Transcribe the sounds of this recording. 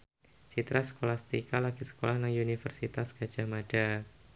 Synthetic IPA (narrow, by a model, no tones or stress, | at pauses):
t͡ʃit̪ɾʔasə̥kolahst̪ikalakisə̥kolahnaŋunifərsit̪asɡ̥ḁd͡ʒamad̥a